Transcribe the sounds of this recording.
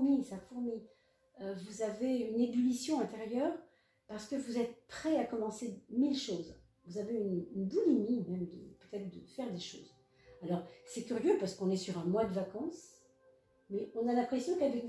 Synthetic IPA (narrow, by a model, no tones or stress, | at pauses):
misafuʁmi | øvuzaveynebylisjɔ̃ɛ̃t̪eʁjœːʁ | paʁsə̥kəvuzɛt̪̚pχɛakɔmɑ̃semilʃoːz | vuzaveynynbulimimɛmd̪əpøt̪ɛt̪χd̪əfɛʁd̪eʃo̰ːz | alɔʁsɛkʲyʁjøpaʁsə̥kɔ̃nɛsyʁɛ̃mwad̪əvakɑ̃s | mɛɔ̃nalɛ̃pχesjɔ̃kavɛk